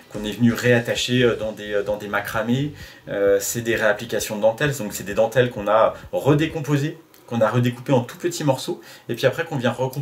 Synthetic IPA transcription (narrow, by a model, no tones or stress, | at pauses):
kɔ̃nɛvənyʁeat̪aʃeød̪ɑ̃d̪eød̪ɑ̃d̪emakχameøsɛd̪eʁeaplikasjɔ̃d̪d̪ɑ̃t̪ɛld̪ɔ̃ksɛd̪ed̪ɑ̃t̪ɛlkɔ̃naøʁəd̪ekɔ̃poze | kɔ̃naʁəd̪ekupeɑ̃t̪upət̪imɔʁsoepɥiapχɛkɔ̃vjɛ̃ʁəkɔ̃